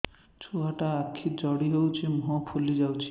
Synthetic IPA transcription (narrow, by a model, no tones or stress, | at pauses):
t͡ʃʰuaʈaːkʰːid͡ʒɔɽiɦewt͡ʃʰimɦɔpʰulid͡ʒawt͡ʃʰi̥